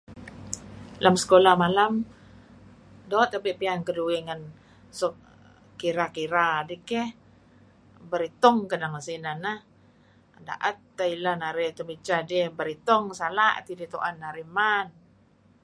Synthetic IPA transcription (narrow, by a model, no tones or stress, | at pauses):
lʔamsə̥kolahmalam | dɔt̪̚abiʔpiankəduiŋan | sɔʔ | kiɾakiɾadikɛh | bəɾit̪ɔŋkadaŋasinanah | da̰ʔat̪ːailanaɾit̪umit͡ʃadihbəɾit̪ɔŋsalaʔt̪idit̪oʔanːaɾiman